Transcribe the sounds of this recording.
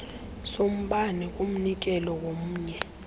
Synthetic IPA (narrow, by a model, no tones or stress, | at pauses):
som̩ɓanɛk̬ʼum̩nik̬ɛlɔwom̩ːɲɛ